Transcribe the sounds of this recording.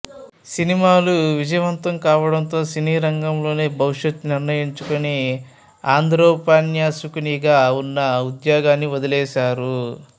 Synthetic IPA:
sinimaːluʋid͡ʒɐjɐʋɐnt̪ɐmkaːʋɐɽɐnt̪o̞ːsiniːɾɐŋɡɐmlo̞ːne̞ːbʱɐwuʂɐt̪niɾnɐjiɲt͡ʃukuni | aːnd̪ʱɾoːpaːnjaːsukuniɡaːunːɐud̪jaːɡaːnːiʋɐd̪ɐlɛːʃaːɾu

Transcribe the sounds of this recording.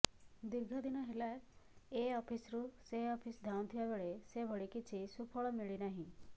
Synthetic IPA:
d̪iɾɡʱɔd̪inɔɦelaeɔpʰisɾuseɔpʰisd̪ʱaw̃t̪ʰibabeɭesebʱɔɽikit͡ʃʰisupʰɔɭɔmiɭinaɦĩ

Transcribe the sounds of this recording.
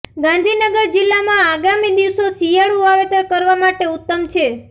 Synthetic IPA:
ɡãnd̪ʱinəɡəɾd͡ʒɪlːamãaɡamid̪iʋsosijaɭuaʋet̪əɾkəɾʋamaʈeʊt̪ːəmt͡ʃʰe

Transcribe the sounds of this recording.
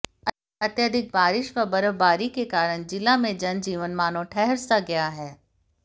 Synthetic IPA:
ɐt̪jəd̪ʱɪk̚baːɾɪʃʋəbɐɾəʋbaːɾikekaːɾəɽ̃d͡ʒɪlamẽd͡ʒɐnd͡ʒiːʋənmaːnõʈʰɛɦɛɾsaɡɐjaɦɛː

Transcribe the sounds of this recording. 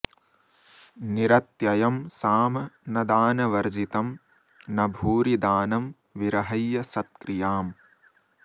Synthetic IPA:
niɾɐt̪jɐjɐmsaːmɐnɐd̪aːnɐʋɐɾd͡ʒit̪ɐm | nɐbʱuːɾid̪aːnɐm | ʋiɾɐɦɐjːɐsɐt̪̚kɾijaːm

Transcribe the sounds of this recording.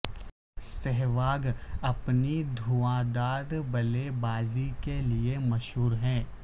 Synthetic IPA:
sɛɦʋaːɡɐpnid̪ʱuãːd̪aːɾbɐlebaːzikeliemɐʃɦuːɾɦɛ̃ː

